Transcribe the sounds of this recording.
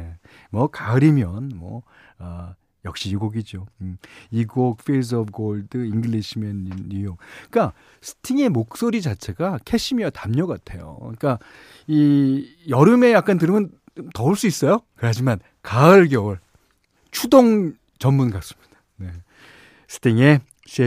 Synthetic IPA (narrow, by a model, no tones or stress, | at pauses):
mwʌkaɯɾimjʌnmwʌ̰ | a | jʌk̚ɕ͈iiɡoɡid͡ʑo | iɡok̚fels̬ʌbɡoɭdɯiŋɡɯɭiɕʰimʌninːujoŋk͈a | sʰɯ̥tʰiŋe̞mok̚s͈oɾid͡ʑat͡ɕʰe̞ɡakʰe̞ɕʰimiatamɲʌɡatʰejo̰ik͈a | ijʌɾɯme̞jak͈antɯɾɯmʌn | tʌuɭs͈uis͈ʌjokɯɾɦad͡ʑiman | kaɯɭɡjʌɯɭ | t͡ɕʰudoŋ | t͡ɕʌmːunɡas͈ɯ̥mɲid̥ḁ | ne̞ | sʰɯ̥tʰiŋe | ɕʰe